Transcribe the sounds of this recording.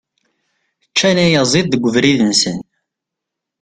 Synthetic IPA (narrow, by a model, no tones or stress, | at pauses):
t͡ʃːænæjəzˤiðˤðəɡʷːəvɾiðənsən